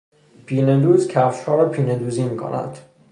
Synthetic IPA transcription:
pʰiːned̪uːzcʲʰæfʃhɒːɾɒpʰiːned̪uːziːmiːkʰo̰nʔæ̰d̪̥

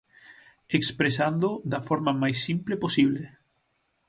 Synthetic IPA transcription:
ekspɾes̬and̪ʊd̪ɐfɔɾmamajsːimpleposiβle

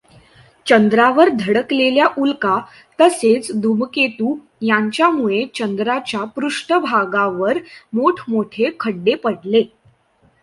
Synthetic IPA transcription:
t͡ɕənd̪ɾaʋəɾd̪ʱəɽəkleljaʔulka | t̪əset͡sd̪umket̪uː | jaɲt͡ɕjamuɭet͡ɕənd̪ɾat͡ɕjapɾuʂʈəbʱaɡaʋəɾmoʈʰmoʈʰekʰəɖːepəɽle

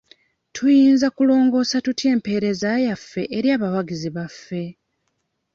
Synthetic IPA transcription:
tʰujiːnzakulo̞ːŋɡo̞ːsatutje̞ːmpe̞ːɾe̞zaːjafːe̞ʔeɾjaːβawaɡiziβafːe̞

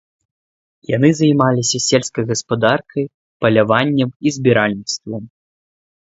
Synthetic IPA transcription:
janɨzajmalʲisʲɐsʲelʲskɐjɣɐspad̪arkʰɐj | pɐlʲavanʲːɛmizʲbʲiɾalʲnʲit̪st̪vɐm

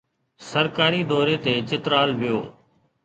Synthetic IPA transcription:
səɾkaːɾiːd̪ɔːɾeːt̪eːt͡ʃɪt̪ɾaːlʋɪjoː

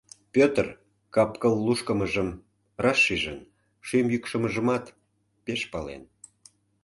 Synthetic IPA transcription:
pʲøt̪r | kɑpkəlːuʃkəməʒəm | rɑʃːiʒən | ʃymjykʃəməʒəmɑt̪ | peʃpɑlḛn

